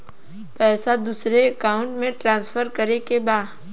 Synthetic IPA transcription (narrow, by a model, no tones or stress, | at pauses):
pɛːsad̪uːsɾeɐkaːʊ̃ɳʈmẽʈɾãːnsfʰəɾkəɾekebaːd̪